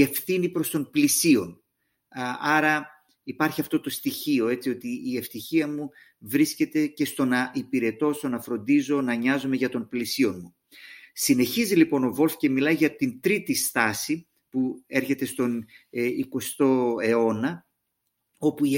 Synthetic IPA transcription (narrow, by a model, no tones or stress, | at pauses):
e̞fθinipɾo̞st̪o̞mplisio̞n | ɐɾɐ | ipɐɾçiɐft̪o̞t̪o̞st̪içio̞e̞t͡sio̞t̪iːe̞ft̪içiɐmu | vɾisce̞t̪e̞ce̞st̪o̞nɐʔipiɾe̞t̪o̞st̪o̞nɐfɾo̞nd̪izo̞nɐɲɐzome̞ʝɐt̪o̞nplisio̞nmu | sine̞çizilipo̞no̞vo̞lfce̞milɐjʝɐt̪int̪ɾit̪ist̪ɐsi | pue̞ɾçe̞t̪e̞st̪o̞niko̞st̪o̞e̞o̞nɐ | o̞pu